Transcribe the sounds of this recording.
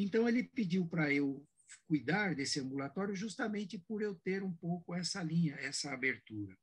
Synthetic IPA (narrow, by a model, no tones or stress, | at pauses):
ẽnt̪ɐ̃w̃elɪpid͡ʒiwpɾɐew | kujd̪aɾd̪esɪɐ̃mbulat̪ɔɾjʊʒust̪ɐmẽnt͡ʃɪpʊɾewt̪eɾũpowkʊɛsɐlĩɲɐɛsɐabeɾt̪uɾɐ